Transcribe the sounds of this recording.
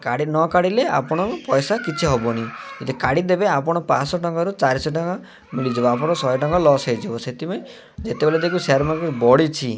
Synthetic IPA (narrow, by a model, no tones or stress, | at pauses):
kaɽinɔkaɽilea̰pɔɽ̃ɔɔpɔjsakit͡ʃʰiɦɔbɔniet̪ikaɽid̪ebeapɔɽ̃ɔpasɔʈɔŋkɔɾut͡ʃaɾisɔʈɔŋkɔ | milid͡ʒibɔapɔɽ̃ɔsɔjʈɔŋkɔlɔsajd͡ʒibɔset̪ʰipɔe | d͡ʒet̪ebeled̪ekʰuseɾmakubɔɽit͡ʃʰi